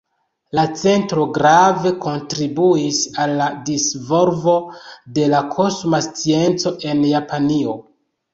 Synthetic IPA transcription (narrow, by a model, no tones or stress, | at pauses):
lat͡se̞ntɾo̞ɡɾave̞ko̞ntɾibuisalːadisvoɾvo̞de̞lakʰosmast͡sie̞nt͡so̞ʔe̞njapanio̞